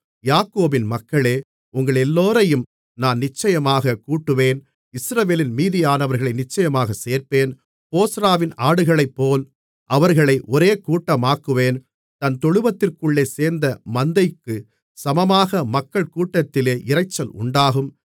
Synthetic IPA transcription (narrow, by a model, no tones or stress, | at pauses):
jaːkːoːbɪnmɐkːɐɭeː | ʊŋɡɐɭɛlːoːɾɐjɯm | naːnnɪt͡ʃːɐjɐmaːɣɐkuːʈːɯʋeːn | ɪsɾɐʋeːlɪnmiːðɪjaːnɐʋɐɾɣɐɭɐɪnɪt͡ʃːɐjɐmaːɣɐseːɾpeːn | poːsɾaːʋɪnaːɽɯɣɐɭɐɪpːoːl | ʔɐʋɐɾɣɐɭɐɪʔɔɾeːkuːʈːɐmaːkːɯʋeːn | t̪ɐnt̪ɔɻɯʋɐt̪ːɪrkɯɭːeːseːɾnd̪ɐmɐnd̪ɐɪkːɯ | sɐmɐmaːɣɐmɐkːɐɭkuːʈːɐt̪ːɪleːʔɪɾɐɪt͡ʃːɐlʊ̰ɳɖaːɣɯm